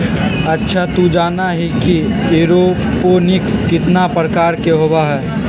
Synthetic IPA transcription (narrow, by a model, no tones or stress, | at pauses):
ɐtːʃʰat̪ud͡ʒaːnaɦikieɾoːp | onɪkskɪt̪napɾəkaːɾkeɦobaɦɛː